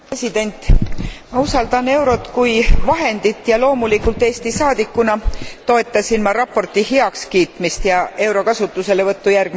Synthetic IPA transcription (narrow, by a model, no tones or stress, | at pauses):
esʲid̪̥e̞nʲt̪ːˑmɑusɑld̪ɑne̞wɾo̞t̪kujvɑɦe̞nd̪it̪ːˑjɑlo̞ːmulikːˑult̪ːˑe̞ːst̪isɑːd̪ikːunɑt̪o̞e̞t̪ːˑɑsʲinmɑɾɑpːˑo̞rt̪ːiheɑkskiːt̪mist̪jɑe̞wɾo̞kɑsut̪ːˑuse̞le̞vɤt̪ːujærɡ̥m